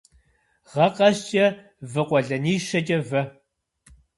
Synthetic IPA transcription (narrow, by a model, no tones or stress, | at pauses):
ʁɐqɐɕt͡ʃʼɐ | vɨqʷɔɮɐniːʃɐt͡ʃʼɐvɐ